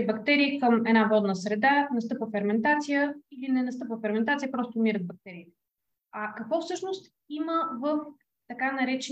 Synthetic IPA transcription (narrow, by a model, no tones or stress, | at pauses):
bɐkt̪ɛɾiːkəmɛd̪navɔd̪nəsɾɛd̪anɐst̪ɤpvəfɛɾmɛnt̪at̪sijəilinɛnɐst̪ɤpvəfɛɾmɛnt̪at̪sijəpɾɔst̪omiɾət̪̚bɐk̚t̪ɛɾiːt̪ɛ̥ | ɐkɐkvɔfsɤʃnost̪ | iməvəf | t̪ɐkanɐɾɛt͡ʃɛ